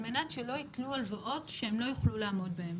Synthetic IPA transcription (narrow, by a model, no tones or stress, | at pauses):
menatʃelo̞itlualvaʔo̞tʃeemlo̞juχlulaːmo̞dbahem